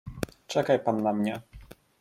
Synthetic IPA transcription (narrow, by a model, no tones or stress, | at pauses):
t͡ʂɛkajpanːamɲɛ